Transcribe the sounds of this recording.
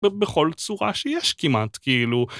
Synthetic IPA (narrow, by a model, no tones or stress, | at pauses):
beχo̞lt͡suʁa̰ʃejɛʃkimatkiilu